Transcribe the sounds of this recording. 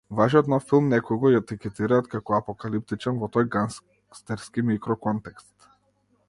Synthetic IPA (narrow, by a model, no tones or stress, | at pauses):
vaʒiɔt̪nɔfːilˠmnɛkɔjɡɔjat̪ikɛt̪iɾaːt̪kakɔapɔkalip̚t̪it͡ʃɛnvɔt̪ɔjɡans | st̪ɛɾskimikɾɔkɔnt̪ɛkst̪